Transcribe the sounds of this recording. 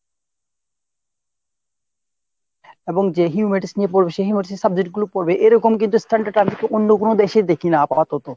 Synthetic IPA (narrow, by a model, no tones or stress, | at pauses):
eboŋd͡ʑeɦiumeʈisnijepoɾbeʃeɦiumeʈisesab̚d͡ʑeʈ̚ɡulopoɾbeʔeɾɔkomkint̪usʈʰaɳɖʈaɾʈant̪ʰekeʔonːokonod̪eʃed̪ekʰinapaat̪ot̪o